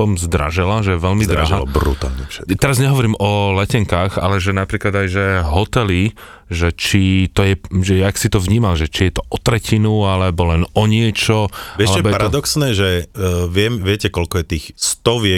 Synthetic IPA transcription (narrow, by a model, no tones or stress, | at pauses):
ɔmzd̪ɾa̰ʒɛlaʒɛjɛʋɛlmid̪ɾaɦabɾṵt̪a̰ːlɲɛfʃɛ̰t̪ɛɾazɲɛɦɔʋɔɾiːmɔlɛcɛŋkaːɣa̰lɛʒɛnapɾiːklad̪ajʒɛɦɔt̪ɛli | ʒɛt͡ʃit̪ɔjɛʒɛjaksit̪ɔvɲiːmalʒɛt͡ʃijɛt̪ɔʔɔt̪ɾɛcinualɛbɔlɛnɔɲɪɛt͡ʃɔʋɛalɛɛbɔjɛpaɾad̪ɔksnɛːʒɛʋɪɛmʋɪɛcɛkɔlkɔjɛt̪iːxst̪ɔʋjɛ